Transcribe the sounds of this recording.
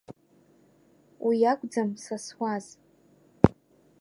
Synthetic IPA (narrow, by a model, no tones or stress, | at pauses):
wʔiakʷʼd͡zamsaswʷaz